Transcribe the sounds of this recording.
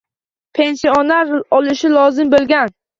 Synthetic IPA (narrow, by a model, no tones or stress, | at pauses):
pʰe̞nsionaɾɒlɪʃɪlˠɒzɪmbolˠɡʲan